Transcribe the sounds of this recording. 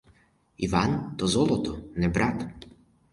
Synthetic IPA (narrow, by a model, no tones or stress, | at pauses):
iʋant̪ɔzɔlˠɔt̪ɔnɛbɾʔat̪